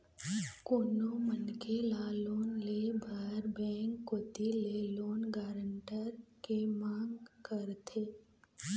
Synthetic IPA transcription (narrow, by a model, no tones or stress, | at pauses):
koːnomənkelaloːnleːbʱəɾbɛ̃ːŋkːoːt̪ileloːnɡaːɾəɳʈəɾkemãːŋɡkəɾt̪ʰeː